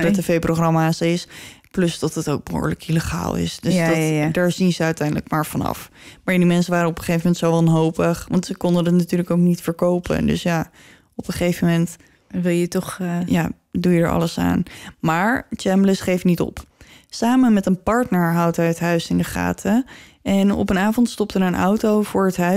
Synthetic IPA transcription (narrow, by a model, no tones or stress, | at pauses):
rɛtevejproχrɑmaːsɪsplɵsdɑtətowk̚bəɦo̰ːɹləkiləχa̰ːlˠɪ̰sdøsddaːɹzinzəœɥtɛjndələ̰kmaːɹv̥ɑnɑ̰fmaːɹdimɛnsənʋaːɾəɔpəχejvəmɛntsowʋɑnɦowpəχʋɑntsəkɔndəndətnatyːɹləkoʊknitfəɹkowpʰə̰ndø̰sjaː | ɔpəχejvəmɛnt | ʋɪlˠjətɔχjaː | dujədə̰ɹʔɑ̰ləsa̰ːnmaːɹt͡ʃɛmbləsχejfnitɔ̰psaːmənmɛtənpɑɹtnəɹɦʌwtɦɛjətɦœɥsɪndəχa̰ːtʰə | ʔɛnɔ̰pənaːvɔntstɔp̚tənənʔɔ̰wtowvʊːɹɦətɦœ